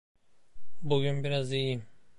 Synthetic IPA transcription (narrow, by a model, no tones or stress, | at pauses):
buɟynbiɾazijim